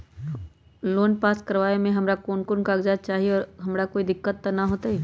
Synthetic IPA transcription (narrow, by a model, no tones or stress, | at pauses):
loːnpaːskɐɾʋaːemẽɦɐmɾakoːnkʊɾnkaːɡd͡ʒaːd͡ʒ̚t͡ʃaːɦieɔːɾɦɐmɾakoːid̪ɪkːət̪ːanaɦoːt̪aɦɛː